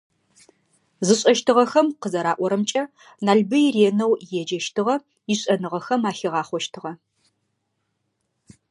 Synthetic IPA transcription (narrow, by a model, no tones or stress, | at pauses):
zɨɕʼɐʃtʰɨʁɐxɐmqəzɐɾaːʔʷɔɾɐmt͡ʃʼɐ | naːɮbɨjireːnɐwjɛd͡ʒɐʃtʰɨʁɐ | iɕʼɐnɨʁɐxɐmaːɬɪʁɑːχʷɔʃtʰɨʁɐ